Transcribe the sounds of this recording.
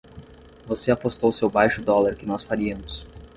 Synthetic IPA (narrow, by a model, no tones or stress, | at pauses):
voseapost̪owʊsewbajʃʊd̪ɔlaɾkɪnɔsfaɾiɐmʊs